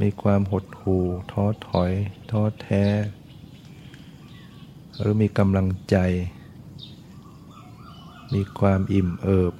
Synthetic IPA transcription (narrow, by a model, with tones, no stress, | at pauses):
miː˧kʰwaː˧mɦo˨˩t̪̚huː˨˩t̪ʰɔː˧˥t̪ʰɔ˩˦jt̪ʰɔː˧˥t̪ʰɛː˧˩ | ɾɯː˨˦miː˧ka˧mla˧ŋt͡ɕa˧j | miː˧kʰwaː˧mʔi˨˩mʔɤː˨˩p̚